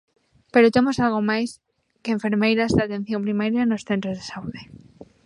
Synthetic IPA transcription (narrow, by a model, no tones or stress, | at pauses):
pe̞ɾot̪e̞mo̞salɣ̞omajs | keːɱfe̞ɾmejɾazðeat̪e̞n̟θjo̞mpɾimaɾjaeno̞sθe̞nt̪ɾozðesauðe